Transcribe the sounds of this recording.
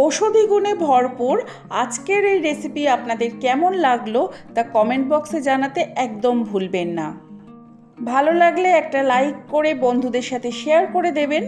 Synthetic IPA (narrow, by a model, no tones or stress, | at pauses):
oʃod̪ʱiɡunebʱɔɾpuɾ | ad͡ʑkeɾejɾesipiapnad̪eɾkɛmonlaɡlot̪akɔmeɳʈ̚bɔksed͡ʑanat̪eɛkd̪ombʱulbenːa | bʱalolaɡleɛk̚ʈalajkːoɾebond̪ʱud̪eɾʃat̪ʰeʃeaɾkoɾed̪eben